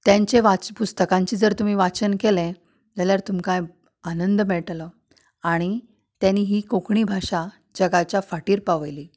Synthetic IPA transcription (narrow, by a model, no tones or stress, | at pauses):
t̪jãɲt͡ɕeʋat͡spust̪əkãɲt͡ɕiːd͡zəɾt̪um̤iːʋat͡ɕənkelɛ̃ | d͡zaljaɾt̪umkaj | anənd̪əmɛɭʈlə | aɽ̃i | t̪janiːɦiːkokɳiːbʱaʂa | d͡zəɡat͡ɕjafaʈiːɾpaʋəjliː